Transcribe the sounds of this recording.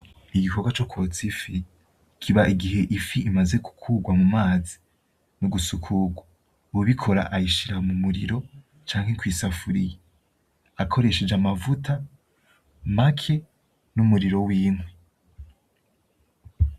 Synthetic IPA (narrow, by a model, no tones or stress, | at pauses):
iɡiko̞ɡwat͡ʃo̞kwo̞t͡sifi | kʰiβaʔiɡiɦe̞ʔifiʔimaze̞ku̥kʰuːɡwamumaːzi̥ | nuɡusukʰuɡwa | uuβikʰo̞ɾa̰ʔajiʃiɾaomumuɾḭɾo̞ | t͡ʃaːŋhekwiːsafuɾije | akʰo̞ɾe̞ʃe̞d͡ʒamavutʰa | makʰe̞ | numuɾiɾo̞wiːŋwe